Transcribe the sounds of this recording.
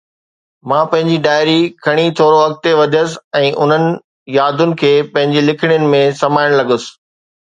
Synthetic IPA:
mãːpɐ̃ɦɪ̃ɲd͡ʑiɖaːɪɾikʰɐɽ̃it̪ʰoːɾoɐk̚t̪eʋɐʄʱəsɛ̃ːʔʊn̤ənɪ̆ | jaːd̪ʊnɪ̆kʰeːpɐ̃ɦɪ̃ɲd͡ʑilɪkʰɪɽ̃jʊnɪ̆mẽsɐmaːɪɽ̃lɐɡʊs̆

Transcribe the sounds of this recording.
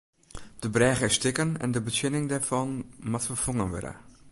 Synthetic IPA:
d̥əbrɛːɣəɪstɪkənɛ̰ndəbəsɪnɪŋdɛɹfɑnmatfəfoŋənʋø̰də̰

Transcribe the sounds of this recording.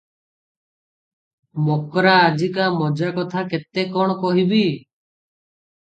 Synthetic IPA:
mɔkɾaːd͡ʒikamɔd͡ʒakɔt̪ʰaket̪ekɔɽ̃ɔkɔɦibi

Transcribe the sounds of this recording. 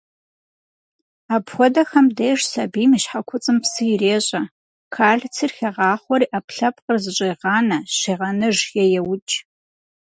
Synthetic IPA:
aːpxʷɔdɐxɐmdejʂsɐbiːmiʃħakʷʰʊt͡sʼɨmpsɨjɪreːɕʼɐ | kʰaːɮt͡sʰirxʲɐʁɑːχʷɔɾiːʔapɬɐpqərzɨɕʼeːʁɑːnɐɕeːʁɐnɨʒjɛjɛwʊt͡ʃʼ

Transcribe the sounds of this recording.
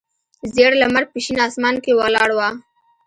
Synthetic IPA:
zeɽlamaɾ̚piʃinɑsmɑnkewalɑɽwa

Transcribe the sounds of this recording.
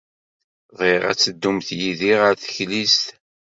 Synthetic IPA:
ʁiʁæ̰t͡sːəd̪ːumθjiðiʁəɾθə̥çlist̪

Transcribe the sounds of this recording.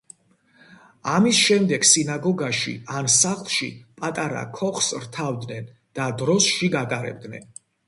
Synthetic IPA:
amisʃɛmd̪ɛɡsinaɡɔɡaʃḭansaχlˠʃḭpʼat̪ʼaɾa̰kʰɔχsɾt̪ʰavd̪nɛn | d̪̥ad̪ɾɔsʃiɡat̪ʼaɾɛ̰b̚d̪nɛ̰n

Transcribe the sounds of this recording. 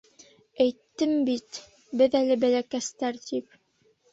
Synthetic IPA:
æjt̪ːɘmbit̪ | bɘðælɘbælækæst̪æɾt̪ip

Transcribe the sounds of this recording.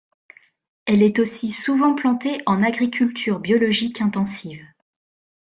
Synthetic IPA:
ɛlɛt̪osisuvɑ̃plɑ̃t̪eʔɑ̃naɡʁikʲʰylt̪ʰyʁbjɔlɔʒikʰɛ̃t̪ɑ̃siv

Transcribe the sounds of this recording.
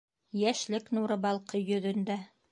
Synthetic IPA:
jæʃlɘknuɾɤ̆bɑlˠqɤjɵ̆ðɵ̆nd̪æ

